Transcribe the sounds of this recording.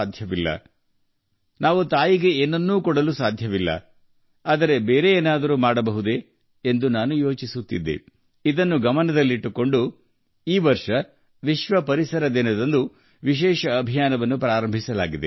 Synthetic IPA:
ad̪ʱjɐʋilːɐ̰ | naːʋut̪aːjiɡe̞eːnːɐnːuːkɔɽɐlusaːd̪ʱjɐʋilːɐ̰ | aːd̪ɐɾe̞beːɾe̞eːnaːd̪ɐɾumaːɽɐbɐɦud̪eː | nd̪unaːnujo̞ːt͡ʃisut̪ːḭd̪ːe̞̰ | id̪ɐnːuɡɐmɐnɐd̪ɐlːiiʈːuko̞ɳɖu | iːʋɐɾʂɐ | ʋiʃʋɐpɐɾisɐɾɐd̪inɐd̪ɐnd̪u | ʋiʃ̬ɛːʃɐːbʱijaːnɐʋɐnːupɾaːɾɐmbʱisɐlaːɡid̪ḛ

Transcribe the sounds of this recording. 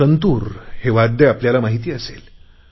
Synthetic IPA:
ənt̪uːɾheʋad̪ʱːeapljalamaɦit̪iːəsel

